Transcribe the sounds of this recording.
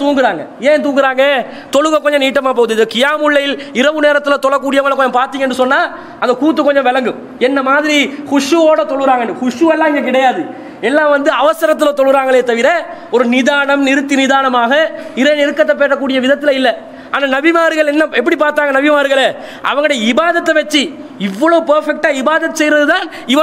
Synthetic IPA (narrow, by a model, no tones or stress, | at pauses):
t̪uːŋɡɪɾaːŋɡɐjeːnt̪uːŋɡɪɾaːŋɡɐe | t̪ɔɻɯɣɐkːɔɲd͡ʒɐ̃niːʈːɐmaːp̬oːðɯɪnðɐkɪjaːmʊɭːɐjɪlɪɾɐʋɯneːɾɐt̪ːɪlɐt̪ɔɭːɐkːuːɽɪjɐʋɭɐkɔɲɐmpaːɾt̪iːŋɡɐɛnɖːɯsɔnːaː | ɐnd̪ɐkuːt̪̬ːɯkːɔɲd͡ʒɔ̃ʋɛlɐŋɡɯm | ɛnːɐmaːðɪɾikʊʂuoːɽɐt̪ɔɭːɯɾaːŋɐnːɯkʊʂuɛlːãːɪŋɡɐk̬ɪɽɐjaːðɯ | ɛlːãːʋɐnd̪ɯɐʋɐsɐɾɐt̪ːɪlõːt̪ːɔɭːɯɾaːŋɡɐɭeːt̪ɐʋɪɾɐ | ɔɾɯnɪðaːnɐmnɪɾɯt̪ːinɪðaːnɐmaːɣɐɪɾɐjnɪɾɯkːɐt̪ːɐp̬ːeːʈːɐkːuːɽɪjɐʋɪðɐt̪ːɪlɐɪlːɐ | aːnaːnɐbɪmaːɾɯɣɐɭɛnːɐɛp̬ːɐɽipaːɾt̪aːŋɡɐnɐbɪmaːɾɯɣɐɭeː | ʔɐ̰ʋɐŋɡɐɽɐjɐɪbaːðɐt̪ːɐʋɐt͡ʃːi | ɪʋːɐɭɐʋɯpɐɾfɛk̚ʈaːɪbaːðɐt̪ːɯsɛjɾɐðɯt̪aːn | ɪʋɐ